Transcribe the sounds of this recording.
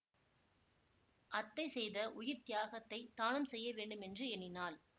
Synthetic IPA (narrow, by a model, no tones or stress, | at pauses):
ʔɐt̪ːɐɪsɛjðɐʔʊjɪɾt̪ɪjaːɣɐt̪ːɐɪt̪ːaːɳɯmsɛjːɐʋeːɳɖɯmɛndrɯɛnɪnaːl